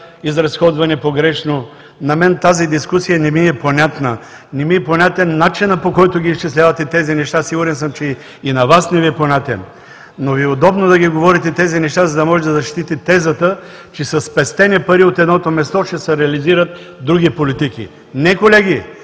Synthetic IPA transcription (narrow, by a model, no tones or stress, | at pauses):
izɾɐsxɔd̪vɐnɛpoɡɾɛʃno | nɐmɛnt̪azid̪iskusijɐnɛmiɛponʲat̪nə | nɛmiɛponʲat̪ɛnːat͡ʃinɐpokɔjt̪ʊɡʲiːʃt͡ʃislʲavɐt̪ɛt̪ɛzinɛʃt̪asiɡʊɾɛnsəmt͡ʃɛ | inɐvasnɛviɛponʲat̪ɛ̰n | noviɛod̪ɔbnod̪ɐɡiɡovɔɾit̪ɛt̪ɛzinɛʃt̪azɐd̪ɐmɔʒɛd̪ɐzɐʃt̪it̪it̪ɛzɐt̪ə | t͡ʃɛsɐspɛst̪ɛnipɐɾiot̪ɛd̪nɔt̪omɛst̪ɔt͡ʃɛsɛɾɛɐliziɾət̪ | d̪ɾuɡʲipolit̪ikḭ | nɛkolɛɡʲi